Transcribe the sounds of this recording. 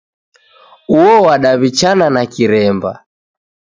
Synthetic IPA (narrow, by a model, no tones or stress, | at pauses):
uɔwaɗaβit͡ʃananakiɾɛmba̰